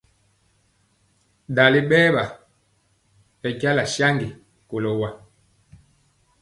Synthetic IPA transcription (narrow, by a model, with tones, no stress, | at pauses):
da˨le˦ɓɛː˦ɓa˨ | ɛ˨ɟa˦la˨ʃa˦ŋɡi˨ | ko˨lɔ˨wa˨